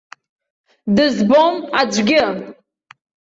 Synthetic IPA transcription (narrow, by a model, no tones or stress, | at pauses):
dɨzbomad͡ʒʷɡʲɪ